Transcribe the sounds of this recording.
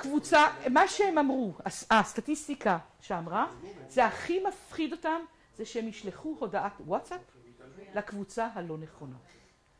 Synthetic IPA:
kvut͡samaʃehemamʁuaastatistikaʃeamʁazeaχimafχido̞tam | zeʃeemiʃleχuho̞daʔatwatsaplakvut͡saɦalo̞ne̞χo̞na̰

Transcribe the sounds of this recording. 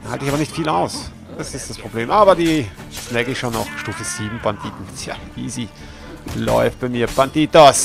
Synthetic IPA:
ha̰ltəɪçaːbɐnɪçtfiːlaʊs | d̥asɪstd̥aspʁ̥obleːmʔaːbɐdiː | nɛɡəɪçʃoːnɔ̰ʊxʃtuːfəz̥iːbm̩band̥iːtn̩tʰja̰vḭːziː | lɔ̰ʏft̚b̥aɪmiːɐb̥anditos

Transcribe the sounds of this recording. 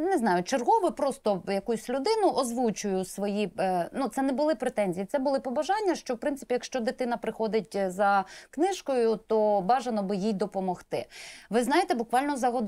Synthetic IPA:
nɛznɑjʊt͡ʃerɦɔʋɪpɾɔst̪ɔjɐkusʲlʲʊd̪ɪnʊʔɔzʋut͡ʃʊjʊsʋɔjinut̪sɛnɛbʊlˠɪpɾet̪ɛnʲzʲijit̪sɛbʊlˠɪpɔbɐʒɑnʲːɐʃt͡ʃɔwpɾɪnsɪ̥pʲijɐkʃt͡ʃɔd̪ɪt̪ɪnɐpɾɪxɔd̪ɪtʲzɐknɪʃkɔjʊt̪ɔbɑʒenɔbɪjijd̪ɔpɔmɔxt̪ɪʋɪznɑjet̪ɛbʊkʋɑlʲnɔzɐɦɔd̪

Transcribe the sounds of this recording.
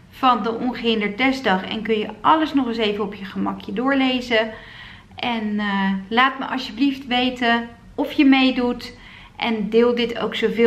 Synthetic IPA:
v̥ɑndəʔɔnχəɦɪndəɹ̚ɛzdɑχɛ̰nkɵnjəʔɑləsnɔχəsejvəɔpjəχəmɑkʰjədʊːɹlejzə | ʔɛnlaːtmə̰ʔɑsjəbliftʋejtə | ɔfjəmejdut | ʔɛndɪːlˠdɪtʰo̰wksowvɪ

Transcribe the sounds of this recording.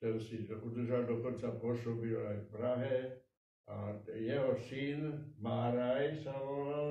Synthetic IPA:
t̪ɛnsiud̪əʒad̪okont͡saposobilajfpɾaɦɛ | ajɛɦɔsinmaːɾajsaloʋal

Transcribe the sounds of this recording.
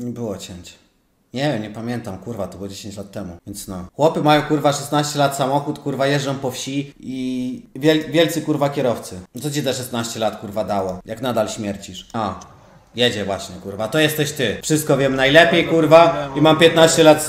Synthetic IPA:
ɲɛbɘwɔt͡ɕɛɲt͡ɕɛ | ɲɛvʲjɛmɲɛpamʲjɛnt̪amkuɾvat̪ɔbɨwɔd͡ʑeɕeɲt͡ɕlat̪ːɛmuvʲjɛnt̪snɔxwɔpɘmajɔ̃w̃kuɾvaʂɛst̪naɕt͡ɕɛlat̪samɔxut̪kuɾvajɛʐd͡ʐɔ̃w̃pɔfɕiivʲɛlvʲjɛlt̪sɘkuɾvakʲɛɾɔft̪sɘt̪ɔt͡ɕizaʂɛst̪naɕt͡ɕɛlat̪kuɾvad̪awɔjʔaknad̪alɕmʲjɛɾt͡ɕiʂɔ | jɛd͡ʑɛvwaɕɲɛkuɾvat̪ɔjɛst̪ɛɕt̪ɘfʂɘst̪̚kɔvʲjɛmnajlɛpʲjejkuɾvaimampʲjɛt̪naɕt͡ɕɛlat̪

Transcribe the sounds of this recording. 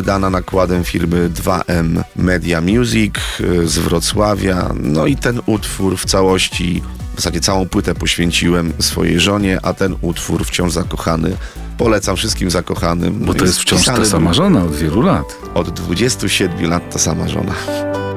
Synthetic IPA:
d̪ananakwad̪ɛmfʲiɾmɘd̪va̰ʔɛmːɛd̪ʲjamʲjuzʲikzvɾɔt̪swavʲja̰nɔit̪ɛnut̪fuɾft̪sawɔɕt͡ɕi | ɔsad͡ʑɛt̪sawɔ̃w̃pwɘt̪ɛpɔɕfʲjɛɲt͡ɕiwɛmsfɔ̰jɛ̰jʐɔɲɛʔat̪ɛnut̪fuɾft͡ɕɔ̃ʐzakɔxanɘ | pɔlɛt̪samfʂɘst̪̚kʲimzakɔxanɘ̰mbɔt̪ɔjɛst̪ft͡ɕɔ̃ʂat̪asamaʐɔnaɔd̪vʲjɛlulat̪ | ɔd̪ːvud͡ʑɛst̪uɕɛd̪mʲjulat̪ːasama̰ʐɔ̰na

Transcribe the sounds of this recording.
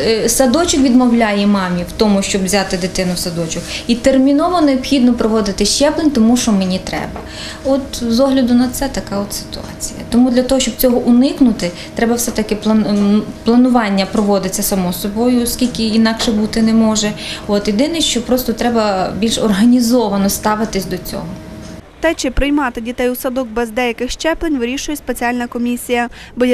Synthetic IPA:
sɐd̪ɔt͡ʃʊkʋʲid̪mɔwlʲajɛmɑmʲiwt̪ɔmʊʃt͡ʃɔbvzʲɑt̪ɪd̪ɪt̪ɪnʊwsɐd̪ɔt͡ʃʊxit̪ermʲinɔʋɔneɔbxʲid̪nɔpɾɔʋɔd̪ɪt̪ɪʃt͡ʃɛplˠenʲt̪ɔmuʃt͡ʃɔmenʲit̪ɾɛ̰bɐ | ɔt̪zɔɦlʲɐd̪ʊnɐt̪sɛt̪ɐkɑɔt̪sɪ̥t̪ʊɑ̰t͡sʲijɐ̰t̪ɔmud̪lʲɐt̪ɔɦɔʃt͡ʃɔb̥̚t͡sʲɔɦɔʔʊnɪknʊt̪ɪ | t̪ɾɛbɐwsɛt̪ɐkɪplˠɐplˠɐnʊʋɑnʲːɐpɾɔʋɔd̪ɪt͡sʲːɐsɐmɔsɔbɔjʊɔskʲilʲkɪinɑkʃɛbut̪ɪnɛmɔʒɛɔt̪jed̪ɪnɪʃt͡ʃɔpɾɔst̪ɔt̪ɾɛbɐbʲilʲʃɔrɦɐnʲizɔʋɐnɔst̪ɑʋɪt̪ɪsʲd̪ɔt͡sʲɔ̰ɦɔt̪ɛt͡ʃɪpɾɪjmɑt̪ɪdʲit̪ɛjusɐd̪ɔk̚bɛzd̪ɛjɐkɪxʃt͡ʃɛplˠenʲʋɪɾʲiʃʊjɛspet͡sʲiɑlʲnɐkɔmʲisʲijɐbɔj

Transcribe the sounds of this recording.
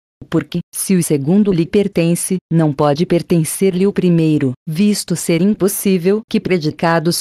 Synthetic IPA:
poɾkɪsɪʊseɡũnd̪ʊlɪpeɾt̪ẽsɪnɐ̃w̃pɔd͡ʒɪpeɾt̪ẽseɾlɪʊpɾimejɾʊvist̪ʊseɾĩposivewkɪpɾed͡ʒikad̪ʊs

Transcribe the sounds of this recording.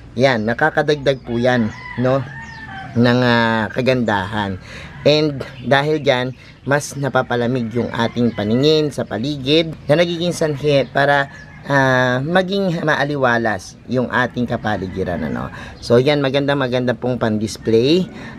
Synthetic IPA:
janːɐkaːkɐd̪ɐɡ̚d̪aɡ̚pʊjanːo̞ | nɐŋakɐɡɐnd̪aːɦɐnʔɛnd̪̚ːaːɦɪld͡ʒan | mɐsnɐpapɐlɐmɪɡjʊŋʔa̰ːt̪ɪŋpɐnɪŋɪnsɐpɐliːɡɪd̪̚nɐnɐɡiːɡɪŋsɐnɦɛpaːɾɐ | ʔamɐɡɪŋmɐʔɐlɪwaːlɐs | jʊŋʔa̰ːt̪ɪŋkɐpalɪɡɪɾa̰nɐ̰no̰so̞janmɐɡɐnd̪amɐɡɐnd̪apoŋpɐŋd̪ɪsplɛj

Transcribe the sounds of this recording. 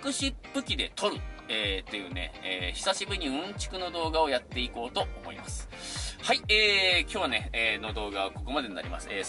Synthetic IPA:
kɯ̟ɕipːɯ̟kʲid̪e̞t̪ʰo̞ɾɯ̟eːt̪ːe̞jɯ̟ːne̞̰eːçi̥saɕibɯ̟ɲ̟iɯ̟̃ɲt͡ɕi̥kɯ̟no̞d̪o̞ːɡao̞jat̪ːe̞iko̞ːt̪o̞omo̞ḭmasɨ̥haieːkʲo̞ːβane̞ːno̞d̪o̞ːɡaβako̞ko̞mad̪e̞ɲina̰ɾʲḭma̰sɨ̥eː

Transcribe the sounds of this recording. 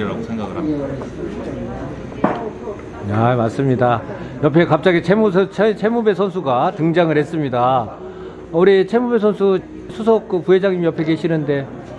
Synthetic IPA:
ɾa̰ɡosʰeŋɡa̰ɡɯɾa | jamaɭs͈ɯmɲida | jʌpʰe̞kap̚t͡ɕ͈aɡit͡ɕʰemusʰt͡ɕʰe̞mube̞sʰʌnsʰuɡatɯŋd͡ʑaŋɯɭɾhe̞s͈ɯmɲida | uɾit͡ɕʰe̞mube̞s̬ʰʌnsʰu | sʰusʰok̚k͈ɯpuɦed͡ʑaŋɲimjʌpʰe̞keɕʰinɯnde̞

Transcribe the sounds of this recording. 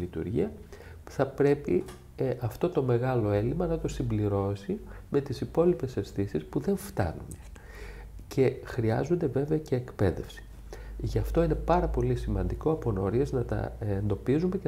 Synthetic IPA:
lit̪ṵɾʝḭɐ | θɐpɾe̞pḭ | ʔɐft̪o̞t̪o̞me̞ɣɐlo̞e̞limɐnɐt̪o̞simbliɾo̞sime̞t̪isipo̞lipe̞se̞sθisispuðe̞ɱft̪ɐ̰nṵn | cʰe̞xɾiɐ̰zo̞nd̪e̞ve̞veɐce̞ːkpe̞ðe̞̰fsi̥ | ʝɐft̪o̞ine̞pɐɾɐpo̞lisimɐnd̪iko̞ɐpo̞no̞ɾieznɐt̪ɐ̰end̪o̞pizume̞ce

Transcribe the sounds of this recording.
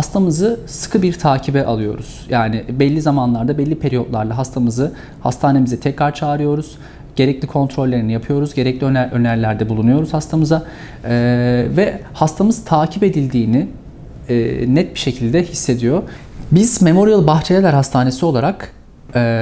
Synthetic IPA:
hast̪ʰamɯzɯsɯ̥kʰɯbiɾt̪ʰaːcʰibɛʔalˠɯjo̞̰ɾṵz̥jaːnɪbɛlʲːizamanlˠaɾd̪abɛlʲːipʰe̞ɾijo̞t̪lˠaɾlˠaɦast̪ʰamɯzɯ | ha̰st̪ʰaːne̞mizɛt̪ʰɛcɾaɾt͡ʃʰaːɾɯjo̞ɾuz̥ | ɟ̥e̞ɾɛclʲikʰo̞nt̪ɾo̞lʲːe̞ɾinijapʰɯjo̞ɾuzɟe̞ɾɛclʲiønʔø̞næɾlʲæɾd̪ɛbulˠunujo̞ɾuz̥hast̪ʰamɯza | ɛvɛhast̪ʰamɯzt̪ʰaːcʰipe̞d̪ilʲd̪iːnɪ | ɛ̰ːnɛt̪̚biʃe̞cʰilʲd̪ɛhisːe̞d̪ijo̞ | biz̥me̞mo̞ɾijalˠɯbaxt͡ʃʰejelʲɛɾhast̪ʰaːne̞sio̞lˠaɾakː

